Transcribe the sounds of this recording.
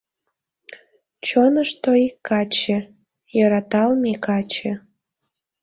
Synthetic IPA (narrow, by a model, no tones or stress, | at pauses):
t͡ɕonəʃt̪oikːɑt͡ɕe | jɤɾɑt̪ɑlmʲikɑt͡ɕe